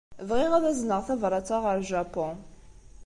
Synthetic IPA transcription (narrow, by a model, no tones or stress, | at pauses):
vʁiʁaðæznəʁθævɾˤɑt͡sːaʁəɾˤʒapɔ̃